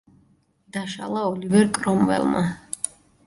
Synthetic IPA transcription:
d̪aʃa̰lˠaɔlivɛɾkʼɾɔmvɛ̰lˠma̰

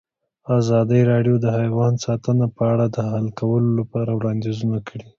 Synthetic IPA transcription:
azɑd̪əjɾɑɖjod̪əhajwɑnsɑt̪ənapəaɽad̪əhalkawəlolapɑɾawɽɑnd̪izunakəɽi

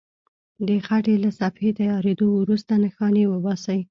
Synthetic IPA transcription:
d̪əxaʈelasafhet̪ajɑɾed̪owɾust̪anaxɑnewəbɑsaj

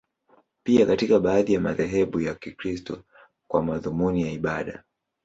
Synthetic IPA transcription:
piakatikaɓaːðijamaðɛɦɛɓujakikɾistɔ | kwamaðumunijaiɓaɗa̰

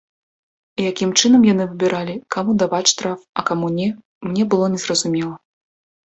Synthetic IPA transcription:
ijakʲimt͡ʂɨnɐmjan̪ɨvɨbʲiɾalʲikamud̪avat͡sʲʂt̪ɾafɐkamunʲɛ | mnʲɛbɨlˠɔnʲɛzrɐzumʲɛlˠɐ

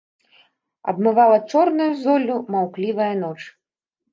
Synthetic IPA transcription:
ɐ̰bmɨvalˠɐt͡ʂɔrnujuzɔlʲːumawklʲivɐjɐnɔt͡ʂ

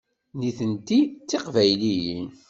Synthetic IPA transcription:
niθənt̪it͡sːeqvæjliji

